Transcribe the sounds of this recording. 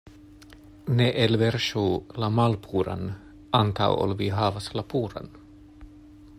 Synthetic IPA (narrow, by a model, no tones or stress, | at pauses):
neʔɛlʋɛɾʃuːlamɑlpʰuːɾa̰n | ɑnt̪ʰa̰o̰lʋiːɦɑːʋaslapuːɾa̰n